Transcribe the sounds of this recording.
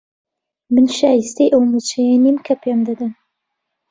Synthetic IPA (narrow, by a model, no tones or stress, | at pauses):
mɨnʃaːjist̪ejʔɐwnut͡ʃʰɐjanimkʰɐpʰemd̪ɐd̪ɐn